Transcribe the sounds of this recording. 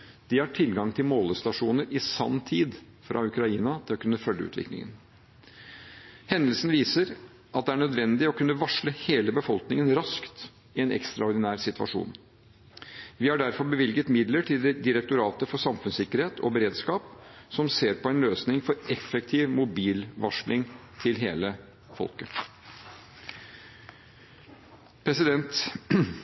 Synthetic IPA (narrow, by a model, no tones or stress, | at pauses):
d̪̥ɪɑʈʰɪlɡɑŋt̪ʰɪlmoːləst̪ɑʂuːnəɾɪsɑ̰nːt̪ʰiːd̪ | fɾʔɑ̰ʉkɾɑiːnɑt̪ʰɪlɔkʉnːəfœljːəʉ̰ːt̪ʰʋɪ̰klɪ̰ŋə̰n | hɛnd̪əlsn̩ʋiːsəɾ | ʔɑt̪̚d̪ɛæɳœd̪ʋɛnd̪ɪɔkʰʉnːəʋɑʂləheːləbəfɔlknɪŋənɾɑskt̪ | ɪɛnɛ̰kst̪ɾɑɔɾɖ̪ɪnæːɾsɪt̪ʉɑ̰ʂṵːn | ʋɪhɑɖæɾfɔɾbəʋɪlɡət̪mɪd̪ləʈʰɪld̪ɪɾɛk̚t̪ʊɾɑːt̪əfɔsɑmfʉnsɪkːəɾheːt̪ʰɔ̰bəɾeːd̪skɑːpsɔmseːɾpʰɔɛnløːsnɪŋfɔɾɛfːəkt̪ʰiːʋmʊbiːlʋɑʂlɪŋt̪ʰɪlɦḛːlə | fɔ̰lkə | pʰɾɛsɪd̪ɛnt̪